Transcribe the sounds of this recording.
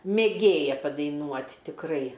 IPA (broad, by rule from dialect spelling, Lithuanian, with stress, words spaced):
mʲeːˈɡʲeːjɛ pɐdɐɪˈnuɔtʲ tʲɪkˈrɐɪ